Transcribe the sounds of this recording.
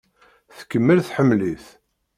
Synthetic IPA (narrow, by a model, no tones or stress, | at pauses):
θə̥kːəmːəlθħəmːliθ